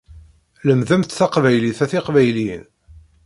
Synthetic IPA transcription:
ləmðæmt̪θɑqvæjliθæθɪqvæjlin

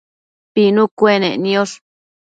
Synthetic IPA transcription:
pinukʷenḛnjoʂ

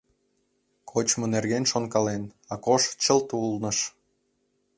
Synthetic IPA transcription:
kʰot͡ɕmonerɣenʃonkɑlenɑkoʃt͡ɕəlt̪ulnə̆ʃ

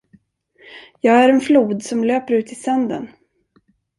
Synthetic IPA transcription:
jɑːɡæɾɛnfluːd̪sɔmløːpəɾʉ̟ːt̪ɪsœnd̪ə̰n

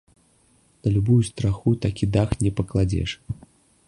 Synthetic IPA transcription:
nɐlʲubujust̪ɾaxut̪akʲid̪axnʲɛpɐklˠad͡zʲɛ̰ʂ

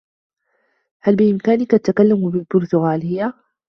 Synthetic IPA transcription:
halbɪʔɪmkaːnɪkaʔat̪akalːambɪlbʊɾˤt̪ʊɣaːlɪjːa

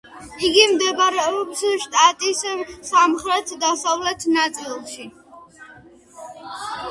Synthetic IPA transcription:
iɡimd̪ɛbɾɛɔpsʃt̪ʼat̪ʼissamχɾɛt̪ʰd̪asavlɛt̪ʰnat̪sʼilˠʃi

